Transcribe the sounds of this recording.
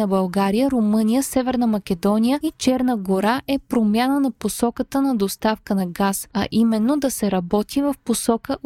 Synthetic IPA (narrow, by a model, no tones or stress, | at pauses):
ɐbɐlˠɡaɾijəɾomɤnijəsɛvɛɾnəmɐk̟ɛd̪ɔnijəit͡ʃɛɾnəɡoɾaʔɛpɾomʲjanənɐposɔkət̪ənɐd̪ost̪afkənɐɡasɐʔimɛnːod̪ɐsɛɾɐbɔt̪ivɐfposɔkə